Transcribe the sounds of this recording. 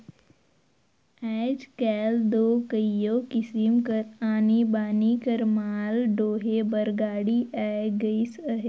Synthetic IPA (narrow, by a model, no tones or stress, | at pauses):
ɛːd͡ʒkɛːld̪oːkəijoːkɪsɪmkɐɾaːnibaːnikɐɾmaːlɖoːɦebəɾɡaːɽiʔɛːɡəisəɦe